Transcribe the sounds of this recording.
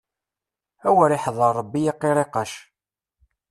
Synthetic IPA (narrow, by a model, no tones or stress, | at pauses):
æwəɾɪħðˤəɾˤːəbːijiqːɪɾˤeqɑʃ